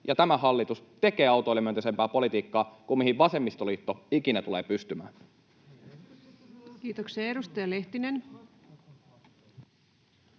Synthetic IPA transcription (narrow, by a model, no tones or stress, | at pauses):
jɑt̪æmæhɑlːit̪ust̪e̞ke̞ːɑˑuwt̪oijlːemyønt̪æsempæːpo̞lit̪iːkːɑːkummihɦiʋʋɑsemːist̪oliːt̪ːoik̟inæt̪uleːpyst̪ymæ̰ːn | kiːt̪oksɑeɾust̪ɑjɑle̞ht̪inen